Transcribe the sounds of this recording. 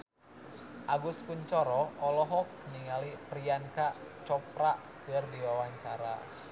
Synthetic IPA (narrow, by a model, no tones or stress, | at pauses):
ʔaɡuskuɲt͡ʃɔɾɔɔlɔɦɔk̚niŋalipɾiankaʔt͡ʃɔpɾa | kɨrdiwawaɲt͡ʃaɾa̰